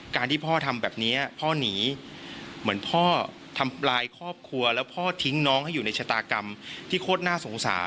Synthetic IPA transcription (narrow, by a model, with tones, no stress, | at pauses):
kaː˧nt̪ʰiː˥˩pʰɔː˥˩t̪ʰa˧mbɛː˨˩p̚ni˦˥ɐɐpʰɔː˥˩niː˩˦ | mɯ˩˦npʰɔː˥˩ | t̪ʰa˧mlaː˧jkʰɔː˥˩p̚kʰu˧ɐlɛː˦˥wpʰɔː˥˩t̪ʰi˦˥ŋnɔː˦˥ŋha˥˩juː˨˩na˧jt͡ɕʰaː˧˩t̪aː˧ka˧mt̪ʰiː˥˩kʰoː˥˩t̪̚naː˥˩so˩˦ŋsa̰ː˩˦